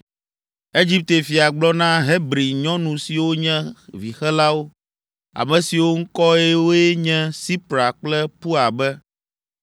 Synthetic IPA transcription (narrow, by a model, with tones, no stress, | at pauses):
e˦d͡ʑi˦p̚t̪e˨fi˨a˨ɡ͡blɔ˦nã˦ɦe˦bɾi˨ɲɔ̃˦nũ˨si˨wo˦ɲɛ̃˦vi˨xɛ˦la˦wo˦ | a̰˨mɛ̃˨si˨wo˦ŋ̩˦kɔ˦e˦wo˦e˦ɲɛ̃˦si˦pɾa˨k͡plɛ˦pu˦a˨bɛ˦